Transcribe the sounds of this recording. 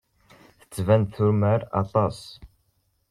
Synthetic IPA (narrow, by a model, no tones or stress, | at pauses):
θə̥t͡sːvɛnd̪θuɾmæɾɑ̰t̪ˤɑs